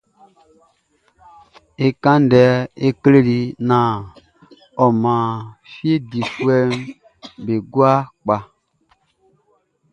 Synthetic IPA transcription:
e˦kã˦ndɛ˨˦e˦kle˦li˨˦nã˨ | ɔ˨mã˨fi˦e˦di˨fu˦ɛ˦m | be˨ɡwa˦k͡pa˨

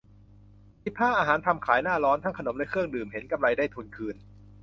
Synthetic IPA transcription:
sʰi˦˥p̪̚pʰːaː˥˩ʔaː˧ɦaː˩˦nt̪ʰa˧mkʰaː˩˦jnaː˥˩lɔː˦˥nt̪ʰa˥˩ŋkʰa˧no˨˩˦mlɛ˦˥kʰɯ˥˩əŋdɯː˨˩mɦe˩˦nka˧mla˧jdaː˥˩jt̪ʰu˧nkʰɯː˧n

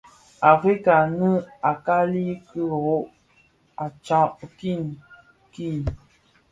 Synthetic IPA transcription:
a˨fi˦ka˨nə˦a˨ka˦li˦kə˦ɣo˦ʔ | a˨t͡ʃɔ̃˦ʔki˦˨n | ki˦˨

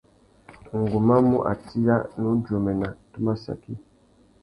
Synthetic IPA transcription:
ŋ̩˨ɡu˨ma˦mu˦ʔa̰˨ti˦la˦nu˦do˨mɛ˨na˨tu˦ma˦sa̰˨ki˦

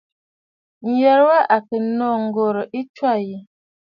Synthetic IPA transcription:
jɛ˨ɾwa˦ʔa˨kə˨nɔ˦˨ŋ˨ɡo˨ɾə˨ʔi˦t͡ʃwa˦˨ji˨

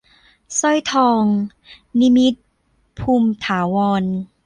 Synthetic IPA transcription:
sɔ˥˩jt̪ʰɔː˧ŋ | ni˧˥mi˦˥t̪̚ | pʰuː˧mt̪ʰaː˩˦wɔː˧n

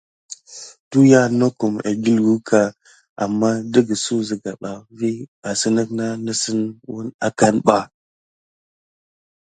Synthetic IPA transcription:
tu˦ja˦no˦ku˨ma̰˨ɡi˦lɡu˦kʰa˨ | ʔa̰˨mːa˦də˦ɡə˨su˦zə˨ɡa˨ɓa˨vi˦ɓa˨sə˦nə˦kna˦nə˦sə˦nwu˦na˦ka˦nɓa˦

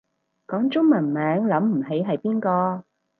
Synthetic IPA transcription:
kɔː˨˥ŋt͡ʃʊ˥ŋmɐ˨˩nmɛː˨˥ŋlɐ˨˥mm̩˨˩ɦe˨˥jɦɐ˨jpiː˥nkɔː˧

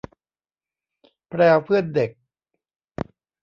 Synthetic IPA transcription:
pʰɾɛː˧wpʰɯ˥˩ənde˨˩k̚

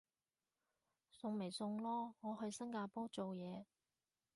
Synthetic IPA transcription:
sʊ˧ŋme˨˩jsʊ˧ŋlɔː˥ŋɔː˨˧ɦɵ˧ɥsɐ˥ŋkaː˧pɔː˥t͡so˨wjɛː˨˧

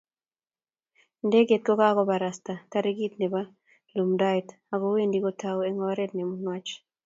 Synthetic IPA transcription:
ndɛ˦ɡe˨t̚kɔ˦ka˦kɔ˦ba˨ɾa˨sta˨ka˦ɾe˦ɡi˦t̚nɛ˨ba˦ | lu˨mda˦jt | a˨ko˦we˦ndi˨kɔ˦tʰa˦wɛ˦ŋɔ˦ɾɛ˦t̚nɛ˨mu˦nwa˦t͡ʃ

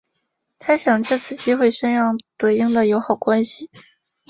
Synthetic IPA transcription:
t̪ʰa˥ɕjɑ˨˩ŋt͡ɕa˥˧t͡sʰɹ̩˥˩t͡ɕi˥xwe˥˩ɪʂə˥nɻɑ˥˩ŋt̪ɤ˧˥i˥ŋd̪ə˨jo˧˥ʊxɑ˨˩ʊkwa˥nɕi˨

